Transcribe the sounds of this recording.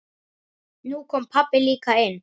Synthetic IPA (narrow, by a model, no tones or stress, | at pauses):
nukʰɔmpʰapɪlikʰaɛn